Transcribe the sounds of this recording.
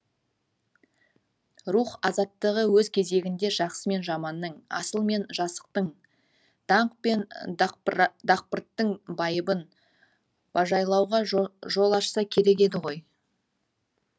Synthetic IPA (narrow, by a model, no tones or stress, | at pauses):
ruχɑzɑt̪ːəʁəwɵzkʲʰe̞ze̞ɡʲɪnd̪e̞ʒɑqsəme̞nʒɑmɑnːəɴɑ̰səlˠme̞nʒɑsə̥q̚t̪əɴ | d̪̥ɑɴqpe̞n | d̪ɑq̚pəɾt̪ːəɴbɑjəbən | wɑʒɑjlˠɑwʁɑʒo̞lˠɑʃsɑkʲʰe̞ɾe̞k̬e̞d̪ɪʁo̞j